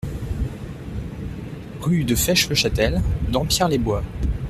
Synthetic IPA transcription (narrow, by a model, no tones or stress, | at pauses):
ʁyd̪əfɛʃləʃat̪ɛld̪ɑ̃pjɛʁlebwa